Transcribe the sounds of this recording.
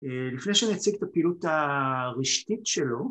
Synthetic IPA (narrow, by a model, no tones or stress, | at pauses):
elifnejʃeanit͡siɡt̪apiːlut̪aʁiʃt̪itʃelo̞